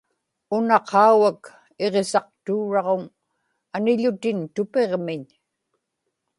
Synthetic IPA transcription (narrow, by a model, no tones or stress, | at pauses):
ʊnɑqʰɑuwak | e̞ʁe̞sɑq̚t̪uːɻɑʁoŋ | anɪʎʊt̪ɪnt̪ʊpe̞ʁmɪɲ